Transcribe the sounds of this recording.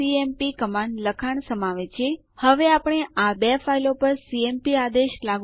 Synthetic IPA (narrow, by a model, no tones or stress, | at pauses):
iempikəmanləkʰaɳsəmaʋet͡ʃʰie | həʋeapɳ̃eabefailopəɾsiempiad̪eʃlaɡ